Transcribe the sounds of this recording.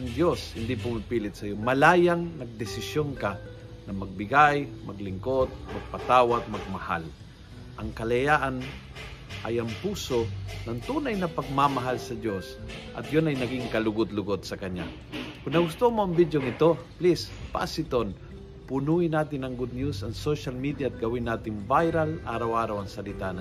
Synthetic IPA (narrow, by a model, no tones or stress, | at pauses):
ŋd̪joshɪnd̪ipʊmɪpiːlɪt̪̚sɐjomɐlaːjaŋnɐɡ̚d̪ɪsɪsjonka | nɐmɐɡ̚bɪɡajmɐɡlɪŋkot̪̚mɐɡ̚pɐt̪aːwat̪̚mɐɡ̚mɐha̰l | ʔɐŋkɐlɐjaːʔan | ʔɐjɐŋpuːsonɐŋt̪uːnajnɐpɐɡ̚mamɐɦalsɐd̪josʔɐ̰t̪̚jonɐjnɐɡɪŋkɐlʊɡʊt̪lʊɡod̪sɐkɐɲa̰ | kʊnnɐɡʊst̪omoɐŋbid̪joŋɪt̪oplispa̰sɪt̪on | pʊnuɪnaːt̪ɪnɐŋɡʊd̪̚njusɐŋsoʃalmid̪jaːt̪̚ɡɐwɪnːaːt̪ɪnbajɾalʔa̰ːɾawʔaːɾawɐŋsɐlɪt̪ana